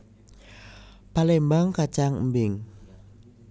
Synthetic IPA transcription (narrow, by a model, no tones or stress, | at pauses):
palembaŋkat͡ʃaŋmbɪŋ